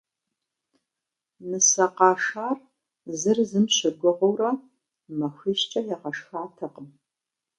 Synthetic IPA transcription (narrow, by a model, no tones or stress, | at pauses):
nɨsɐqɑːʂaːr | zɨrzɨmɕɪɡʷʊɔʁʷowrɐ | mɐxʷiːɕt͡ʃʼɐjɛʁɐʂxaːtʰɐqəm